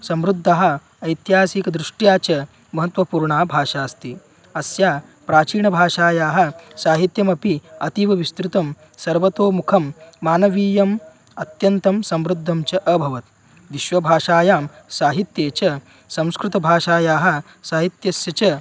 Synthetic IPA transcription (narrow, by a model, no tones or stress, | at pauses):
sɐmɾud̪ʱːɐɦɐ̆ | ɐjt̪jɦaːsiːkɐd̪ɾuʂʈjaːt͡ʃɐ | mɐɦɐt̪ʋɐpuːɾɳaːbʱaːʂaːst̪i | ɐsjaː | pɾaːt͡ʃiːɳɐbʱaːʂaːjaːɦɐsaːɦit̪jɐmɐpiɐt̪iʋɐʋist̪ɾut̪ɐm | sɐɾʋɐt̪oːmukʰɐmːaːnɐʋiːjɐm | ɐt̪jɐnt̪ɐmsɐmɾud̪ʱːɐmt͡ʃɐʔɐbʱɐʋɐt̪ | d̪iʃʋɐbʱaːʂaːjaːm | saːɦit̪jeːt͡ʃɐ | sɐ̃m̃skɾut̪ɐbʱaːʃaːjaːɦɐ̆ | saːɦit̪jɐsjɐt͡ʃɐ